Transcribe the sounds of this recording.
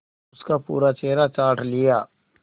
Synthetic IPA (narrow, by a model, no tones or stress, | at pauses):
ʊskapṵːɾat͡ʃeːɾat͡ʃaːʈʰlɪjaː